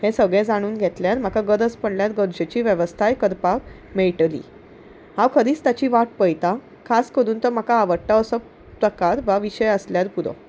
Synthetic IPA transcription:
hesəɡɭẽd͡zaɽ̃uːnɡʱet̪ljaɾm̤akaɡəɾəspəɳljat̪ɡəɾd͡ʑet͡ɕiːʋjəʋəst̪ʰajkəɾpak | meɭʈlḭː | hãʋkʰəɾiːt͡st̪at͡ɕiːʋaʈpəjt̪a | kʰaskəɾuːnt̪əɾm̤akaːʋəʈːaəsə | pɾəkaɾʋaʋiɕəjəsljaɾpuɾɔ̰

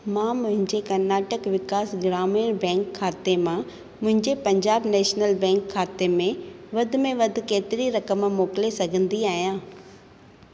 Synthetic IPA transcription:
mãːmʊ̃ɦɪ̃ɲd͡ʑekɐɾnaːʈəkʋɪkaːsɡɪɾaːminbɛ̃ːŋkʰːaːt̪emã | mʊ̃ɦɪ̃ɲd͡ʑepɐ̃ɲd͡ʑaːbnɛːʃnəlbɛ̃ːŋkʰːaːt̪emẽʋɐd̪ʱʊ̆mẽʋɐd̪ʱʊ̆keːt̪ɪɾiɾɐkəmmoːkɪlesɐɡʱə̃nd̪iaːɦijãː

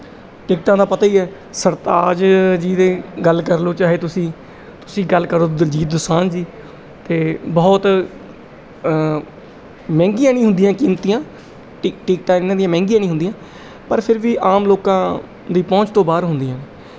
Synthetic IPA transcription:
ʈɪk̚ʈãːd̪aːpət̪aːiːɛː | səɾt̪aːd͡ʒd͡ʒiːd̪eːɡəlkəɾloːt͡ʃaːɦeːt̪ʊsĩː | t̪ʊsĩːɡəlkəɾoːd͡ʒiːt̪̚d̪ʊsaːnd͡ʒiː | t̪eːbɔːt̪ | mɛ̃ːŋɡijãːnĩːɦʊnd̪ijãːkɪnt̪ijãː | ʈɪk̚ʈ̪ãːɪnːãːd̪ijãːmɛ̃ːŋɡijãːnĩːɦʊ̃nd̪ijãː | pəɾpʰɪɾʋiːʔaːmloːkãː | d̪iːpɔ̃ːt͡ʃt̪õːbaːɾɦʊnd̪ijãː

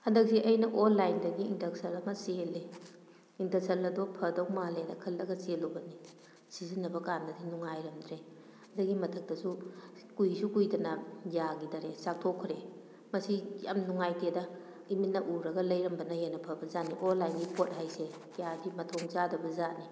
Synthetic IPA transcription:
hɐndɐk̚siʔɐjnɐʔonːajndɐɡiindɐk̚sɐlɐmɐsele | indɐk̚sɐlɐdɔpʰɐdɐwmaledɐkʰɐlːɐɡɐselɐwbɐni | sizinːɐbɐkandɐdinuŋajɾɐmdɾe | ɐdaɡimɐtʰɐk̚tɐsukujsukujdɐnɐjaɡidɐɾesak̚tʰɔkʰɾe | mɐsija̰mnuŋajtedɐ | imitnːɐʔuɾɐɡɐlɐjɾɐmbɐnɐjenɐpʰɐbɐzaniʔonlːajnɡipʰot̚hajse | kjabimɐtʰɔŋzadɐbɐzani

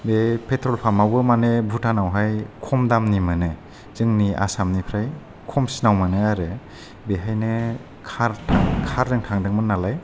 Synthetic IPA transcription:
bepʰetʰɾɔlpʰamawbɯmanebʱutʰanawɦajkʰɔmdamnimɯnɯ | zɯŋnia̰samnipʰɾaj | kʰɔmsinawmanɯaɾɯ | beɦajnɯ | kʰaɾʰakʰaɾdɯŋtʰaŋdɯŋmɯnːalaj

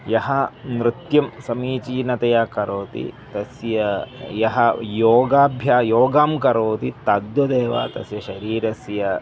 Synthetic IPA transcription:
jɐɦɐnɾɪt̪jɐmsɐmiːt͡ʃiːnɐt̪ɐjaːkɐɾoːt̪ḭt̪ɐsjɐjɐɦɐjoːɡaːbʱjaːjoːɡaːmkɐɾoːt̪it̪ɐd̪wɐd̪eːʋa̰ːt̪ɐsjɐʃɐɾiːɾɐsjɐ

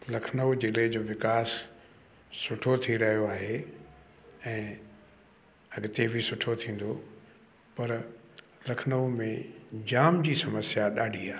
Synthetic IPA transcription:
lɐkʰnəud͡ʑɪled͡ʑoːʋɪkaːsː | ʊʈʰot̪ʰiɾɐɦijoaːɦe | ɛ̃ː | ɐɠɪt̪ebʱɪsʊʈʰot̪ʰĩːn̆d̪o | pɐɾ | lɐkʰnəumẽd͡ʑaːmd͡ʑiːsɐməsjaɗaːɖʱiaː

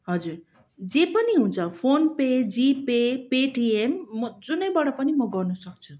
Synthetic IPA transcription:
ɦʌd͡zur | d͡zepʌniɦũnt͡sʰʌpʰonped͡zipepeʈiemːʌd͡zunʌjbʌɽʌpʌnimʌɡʌrnʌsʌk̚t͡sʰu̥

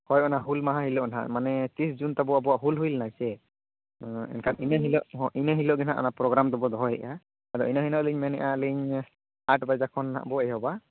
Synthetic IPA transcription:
hɔjɔnaɦulmaɦãɦilɔʔna̰ʔmanɛt̪isd͡ʒunt̪abɔabɔwaʔɦulɦujlnajsɛ̃ | ɛ̰nkʰaninəɦilɔʔɦɔ̃ʔinəɦilɔʔɡɛnaʔɔ̰napɾɔɡɾamd̪ɔbɔd̪ɔɦɔjɦɛ̰ʔa | ad̪ɔʔinəɦinɔʔliɲmɛnɛʔaliɲ | aʈbajzakʰɔnːa̰ʔbɔɛjɦɔba

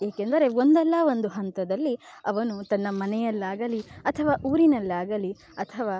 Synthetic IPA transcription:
jeːkend̪ɐɾe̞o̞nd̪ɛlːɐo̞nd̪uɦɐnt̪ɐd̪ɐlːiɐʋɐnut̪ɐnːɐmɐnɛjɐlːaːɡɐliɐt̪ʰɐʋaːʔuːɾinɐlːaːɡɐli | ɐt̪ʰɐʋaː

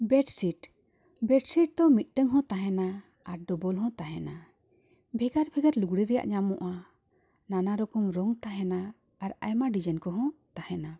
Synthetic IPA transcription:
bɛɖsiʈ | bɛʈsiʈ̚d̪ɔmit̪̚ˀʈəŋɦɔ̃t̪aɦɛna | aɾɖɔbɔlɦɔ̃t̪aɦɛna | bʱɛɡaɾbʱɛɡaɾluɡɽiɾɛja̰ʔɲamɔʔa | nanaɾɔkɔmɾɔŋt̪aɦɛnaː | ɾa̰jmaɖid͡ʒankɔɦɔ̃t̪ahɛna

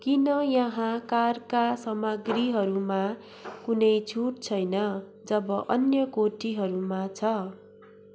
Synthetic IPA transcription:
kinʌjʌɦãkarkasʌmʌɡriɦʌɾuma | kunʌjt͡sʰuʈ̚t͡sʰʌjnʌ | d͡zʌbʌʔʌnjʌkoʈiɦʌɾumat͡sʰʌ

